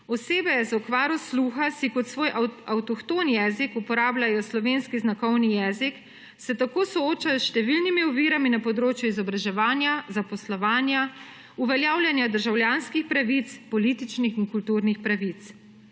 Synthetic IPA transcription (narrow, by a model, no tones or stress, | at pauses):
ɔseːbɛzɔkʋaːɾɔsluːxasikɔt̪sʋoːjʔawt̪ɔxt̪oːnjɛːzikupɔɾaːblajɔslɔʋeːnskiznakɔwnijɛːzik | sɛt̪akoːsɔoːt͡ʃasʃt̪ɛʋilnimiuʋiɾaminapɔd̪ɾoːt͡ʃjuizɔbɾaʒɛʋaːnjazapɔslɔʋaːnja | uʋɛljaːwlʲjanjad̪əɾʒawljanskixpɾaʋit̪spɔlit̪it͡ʃnixinkult̪uːɾnixpɾaʋit̪s